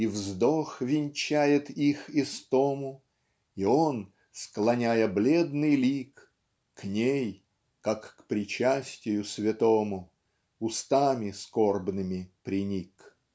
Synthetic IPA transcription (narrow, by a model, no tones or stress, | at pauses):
ivzd̪oxvʲɪnʲt͡ɕæjɪt̪ixɪst̪omʊ | ion | sklˠɐnʲæjəblʲed̪nɨjlʲikː | nʲej | kakːpɾʲɪt͡ɕasʲtʲɪjʊsʲvʲɪt̪omʊ | ʊst̪amʲɪskorbnɨmʲɪpɾʲɪnʲik